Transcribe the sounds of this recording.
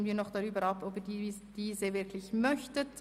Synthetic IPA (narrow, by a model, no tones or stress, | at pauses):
mənviːɐnɔχd̥ɑʁyːbəɾɑpʰobidiːd̥iːzəvɪɾkʰlɪçmœçtət